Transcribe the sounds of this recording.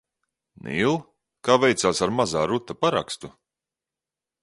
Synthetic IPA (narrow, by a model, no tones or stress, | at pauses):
nḭlˠ | kaːvɛjt̪saːsaɾmazaːɾut̪ːapaɾa̰kst̪u